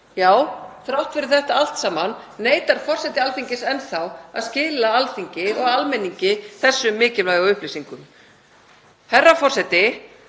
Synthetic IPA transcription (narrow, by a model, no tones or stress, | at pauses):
jaːwθɾawht̪fɪɾɪɾ̥θɛht̪aal̥t̪saːmanːeːjt̪aɾ̥fɔr̥sɛt̪ɪalθiɲcɪsɛnθawa̰ðscɪːlaalθiɲcɪɔɣalmɛnːiɲcɪθɛsːʏmːɪːcɪlvlaːjðawʏhplisiŋkʏm | hɛrːafɔr̥sɛt̪ɪ